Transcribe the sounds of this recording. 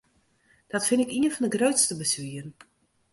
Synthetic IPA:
d̥ɔtfɪnɪkiənfɔndəɡroɥtstəbəsʋiərn

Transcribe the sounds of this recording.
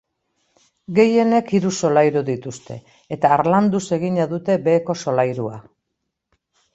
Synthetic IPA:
ɡe̞je̞ne̞kiɾuso̞lajɾuðit̪ust̪e̞̰ː | t̪aːɾland̪use̞ɣ̞iɲaðut̪e̞be̞ːko̞so̞lajɾua

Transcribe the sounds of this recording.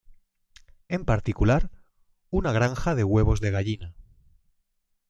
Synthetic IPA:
e̞mpaɾt̪ikulaɾ | unaɣɾaŋxað̞e̞ɣwe̞β̞o̞zðe̞ɣaʎina

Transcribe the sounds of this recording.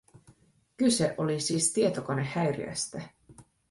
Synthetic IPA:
kyse̞ʔo̞lisiːst̪ie̞t̪oko̞ne̞hːæɥɾḭæ̰st̪æ

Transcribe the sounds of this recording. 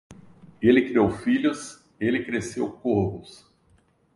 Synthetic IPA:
elɪkɾiowfiʎʊs | elɪkɾesewkohbʊs

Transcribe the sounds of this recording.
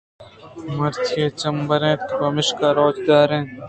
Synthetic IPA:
mɐɾt̪ʰeːt͡ɕɐmbɐɾẽːt̪kbɐmɪʃkaːɾoːd͡ʑɡ̪aːɾẽː

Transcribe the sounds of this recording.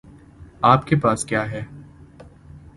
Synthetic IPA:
aːpkepaːskjaːɦɛː

